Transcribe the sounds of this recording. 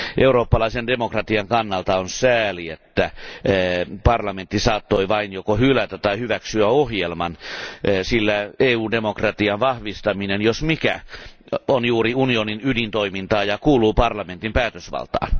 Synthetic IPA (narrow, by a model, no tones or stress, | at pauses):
ʔeuroːpːɑlɑisendemokrɑt̪iɑŋkɑnːɑlt̪ɑonsæːliet̪ːæ | pɑrlɑment̪ːisɑːt̪ːoiʋɑinjokohylæt̪ætt̪ɑihyʋæksyæohjelmɑnːsilːæeːuːndemokrɑt̪iɑnʋɑhʋist̪ɑminenjosmikæ̰ | onjuːriunioninydint̪oimint̪ɑːjɑkuːluːpɑrlɑment̪impæːt̪øsʋɑ̰lt̪ɑ̰ːn